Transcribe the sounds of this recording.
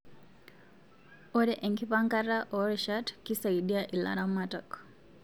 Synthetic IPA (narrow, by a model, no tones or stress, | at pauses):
ɔɾɛʔeŋkipaŋkaɾaʔɔɾiʃatkisaiɗiaʔila̰ɾamatak